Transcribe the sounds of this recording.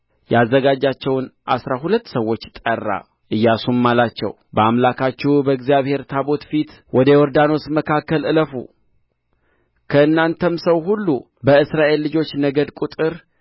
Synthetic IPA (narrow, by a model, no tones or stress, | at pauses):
jazːəɡad͡ʒat͡ʃːɛwnʔa̰sɾaɦulət̪ːsəwːo̞t͡ʃːt̪ʼərːa̰ | ʔɨjːasummalat͡ʃːɛ̰w | bəamlakʰat͡ʃːɛbəɨɡzijaβhe̞ɾt̪ʰabo̞t̪fit̪ | wʔɔd̪əwɔɾd̪ano̞sməkʰakːəlɨləfṵ | kʰəɨnːant̪ʰəmsəwɦulːu | bəɨsɾaʔe̞lːɨd͡ʒo̞t͡ʃːnəɡəd̪kʷʼut̪ʼɨɾ